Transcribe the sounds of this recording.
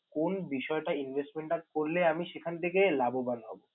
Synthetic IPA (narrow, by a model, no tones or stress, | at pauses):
konbiʃɔeʈainbʱesʈmeɳʈakoɾleamiʃekʰant̪ʰekelabobalɦɔ̰bo